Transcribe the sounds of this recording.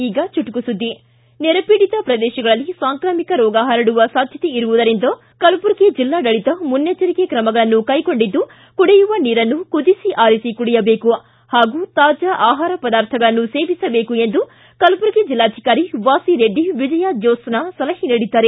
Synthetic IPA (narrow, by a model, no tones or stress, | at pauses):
iːɡɐt͡ʃuʈukusud̪ːi | nɛɾɐpiːɽit̪ɐpɾɐd̪ɛːʃɐɡɐɭɐlːisaːŋkɾaːmikɐɾɔːɡaːɦɐɾɐɽuʋɐsaːd̪ʱjɐt̪eiɾuʋud̪ɐɾind̪ɐ | kɐlpuɾked͡ʒilːaːd̪ɐɭit̪ɐmunjɐt͡ʃɐɾikekɾɐmɐɡɐɭɐnːukɐjko̞ɳɖid̪ːu | kuɽɛjuʋɐniːɾɐnːukud̪isiʔaːɾisikuɽɛjɐbeːku | haːɡuːt̪aːd͡ʒaʔaːɦaːɾɐpɐd̪aːɾt̪ʰɐɡɐɭɐnːuseːʋisɐbe̞ːkue̞nd̪u | kɐlpuɾked͡ʒilːaːd̪ʰʱikaːɾiʋaːsiɾeɖːiʋid͡ʒɐjaːd͡ʒɔːsnasɐlɐɦiniɽid̪ːaːɾe